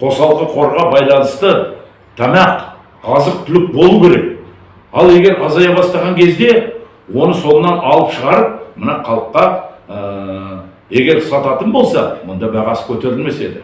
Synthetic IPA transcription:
qʰo̞sɑlˠəqəqʰo̞ɾʁɑbɑjlˠɑnəst̪ə | t̪ʰɑmɑq | ɑzəq̚t̪ʰʏlɪk̚bo̞lˠukʲʰe̞ɾe̞k̚ | ɑlˠe̞ɡʲe̞ɾɑzɑjɑbɑst̪ɑʁɑŋkʲʰe̞zd̪e̞ | wo̞nəso̞nənɑnɑlˠəpʃəʁɑɾəp̚mənɑqʰɑlˠəqːɑə | e̞ɡʲe̞ɾsɑt̪ɑt̪ənbo̞lˠsɑmʊnd̪ɑbæʁɑsə̥kʲʰɵt̪e̞ɾɪlme̞se̞d̪ɪ

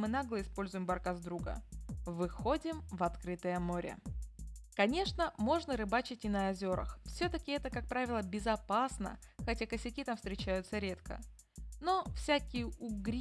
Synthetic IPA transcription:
mɨnaɡlˠəɪspo̞lʲzʊjɪmbɐrkazd̪ɾuɡə̰vɨxo̞dʲɪmvɐt̪kɾɨt̪əjəmo̞ɾʲə̰ | kɐnʲe̞ʂnəmo̞ʐnəɾɨbat͡ɕɪt̚ʲɪnəːzʲo̞ɾə̰xfsʲɵt̪əkʲɪɛt̪əkak̚pɾavʲɪlˠəbʲɪzɐpasnə̰ | xɐtʲakəsʲɪkʲit̪amfst̪ɾʲɪt͡ɕæjʊt̪səɾʲe̞t̪kə̰ | no̞fsʲækʲɪjəʊɡɾʲ

